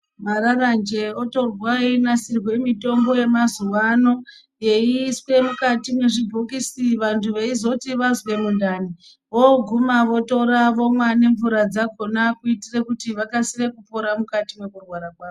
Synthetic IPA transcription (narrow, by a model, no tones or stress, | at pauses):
maɾarand͡ʒe̞oto̞rwainasirwe̞mito̞mbo̞je̞mazuʋano̞ | je̞iswe̞mukatimwe̞ʐibʱokisiʋantʰuʋe̞izo̞tiʋazwe̞mundani | ʋo̞ɡʱumaʋo̞to̞ɾaʋo̞mwane̞ɱvuɾad͡zako̞nakuitire̞kutiʋakasire̞kupo̞ɾamukatimwe̞kurwaɾakwaːo